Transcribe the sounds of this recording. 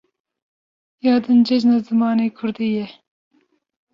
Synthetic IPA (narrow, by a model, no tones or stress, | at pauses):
jɑːd̪ɨnd͡ʒɛd͡ʒnazɨmɑːneːkʰʊɾd̪ijɛ